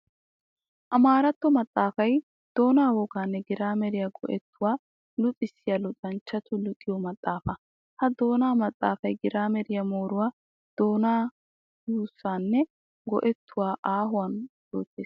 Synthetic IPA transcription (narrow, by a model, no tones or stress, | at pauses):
ʔɐmaːɾɐt̪ːɔmɐt̪ʼːaːfɐj | d̪̥o̞ːnaːwɔɡaːnːɛɡɪɾaːmɛɾɪjaɡɔ̰ʔɛt̪ːʊwaː | lʊt͡sʼɪsːɪjalʊt̪ʼɐnt͡ʃːɐt̪ʊlʊkʼːɪjɔmɐt̪ʼːaːfɐ | hɐd̪o̞ːnaːmɐt̪ʼːa̰ːfɐjɡɪɾaːmɛɾɪjɐmo̞ːɾʊwaː | d̪̥o̞ːnaː | juːsːaːnːɛ | ɡɔ̰ʔɛt̪ʰːʊwaːʔaːɦʊwɐnd̥o̰ːt̪ːeːs